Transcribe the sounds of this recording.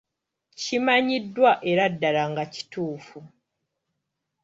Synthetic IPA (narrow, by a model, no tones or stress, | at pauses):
cimaɲidːwaʔe̞ɾadːalaŋɡaci̥tuːfu